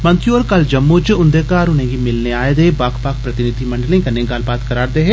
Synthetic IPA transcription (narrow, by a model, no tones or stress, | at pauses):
mɐ̃nt̪juɔːɾkɐld͡ʒɐmːot͡ʃʊ̃nd̪ekaːɾʊnẽɡimɪlneaːed̪eːbaːkʰpaːk̚ʰpɾɐt̪ɪnɪd̪ʱimɐ̃ɳɖəlẽkɐɾnẽɡaːlbaːt̪kɐɾaːɾd̪eːɦɛ